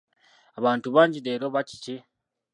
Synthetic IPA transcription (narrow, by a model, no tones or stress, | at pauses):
aβaːntuβaːɲɟideɾoβaci̥ci